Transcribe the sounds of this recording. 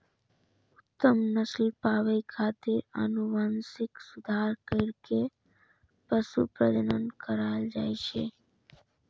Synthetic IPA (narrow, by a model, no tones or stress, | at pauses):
ʊt̪ːəmnəslpaʋəikʰat̪eə̰nuʋansɪksud̪ʱaɾkəɪɾke | pəsṵpɾəd͡ʒənənkəɾald͡ʒajʃʰe